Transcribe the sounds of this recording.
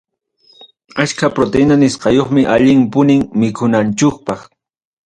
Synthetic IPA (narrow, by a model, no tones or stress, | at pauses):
at͡ʃkapɾot̪enanɪsqɑjoχmɪʔaʎɪŋpʊnɪŋmɪkʰʊnant͡ʃok̚pɑχ